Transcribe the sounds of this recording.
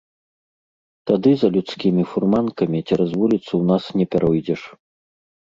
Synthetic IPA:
t̪ad̪ɨzɐlʲut̪skʲimʲifurmankɐmʲit͡sʲɛɾazvulʲit̪suwnasnʲɛpʲɛɾʔɔjd͡zʲɛʂ

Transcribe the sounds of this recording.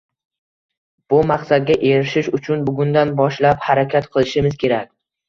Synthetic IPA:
b̥ʊmaqsad̪̚ɡʲaʔe̞ɾɪʃɪʃʊt͡ʃʰʊnbʊɡʲʊnd̪anbɒʃlaphaɾakʲʰat̪qʰɨlˠɪʃɪmɪz̥kʲʰe̞ɾakʲ

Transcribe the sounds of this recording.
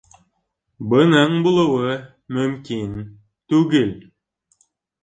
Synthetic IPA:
bɤ̆nɤɴbulˠɤ̆wɤ | mɵmkin | t̪ʉɡɘl

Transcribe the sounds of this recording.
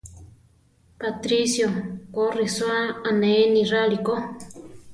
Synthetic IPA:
pat̪ɾisjokoriswaaneniraliko

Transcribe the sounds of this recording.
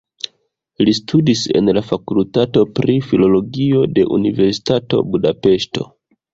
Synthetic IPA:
listʰudise̞̰nlafakultato̞pɾifilo̞lo̞ɡio̞de̞̰ʔṵnive̞ɾsi̥tato̞̰budape̞ʃto̰

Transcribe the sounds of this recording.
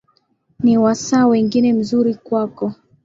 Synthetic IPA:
niwasaːwɛŋɡinɛm̩zuɾikwakɔ

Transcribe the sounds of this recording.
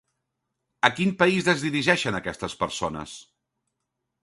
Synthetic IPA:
əkimpəizðəzðiɾiʒɛʃənəkɛst̪əspəɾsonə̰s

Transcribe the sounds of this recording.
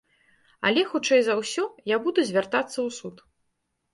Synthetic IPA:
ɐ̰lʲɛxut͡ʂɛjzɐwsʲɔjabud̪uzʲvʲart̪at̪sːɐwsut̪

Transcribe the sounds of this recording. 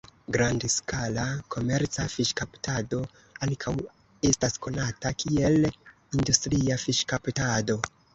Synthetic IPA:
ɡɾandskalakʰo̞me̞ɾt͡safiʃkaptado̞ | aŋkʰaw | e̞stasko̞natakʰie̞l | industɾiafiʃkaptado̞

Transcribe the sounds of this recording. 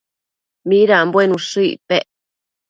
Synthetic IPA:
mĩɾambwenũʂɨipeʔ

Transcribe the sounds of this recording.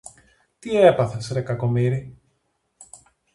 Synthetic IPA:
t̪iepɐθesɾekɐko̞miɾi

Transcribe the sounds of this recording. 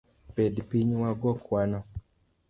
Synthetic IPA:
pɛdipiɲwaɡɔkwana

